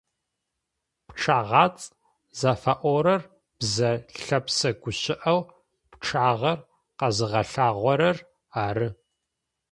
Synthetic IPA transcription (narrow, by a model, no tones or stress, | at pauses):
pʈ͡ʂʰaːʁɑːt͡sʼ | zaːfaʔʷɔɾɐr | b̥zɐɬɐpsɐɡʷʊɕɪʔɐw | pʈ͡ʂʰaːʁɐr | qɐzɨʁɐɬaːʁʷɔɾɐr | aːɾɨ